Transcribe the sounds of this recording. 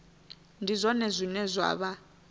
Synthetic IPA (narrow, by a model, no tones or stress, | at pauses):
ndʱizʷɔnɛzʷinɛzʷwa̰ːβa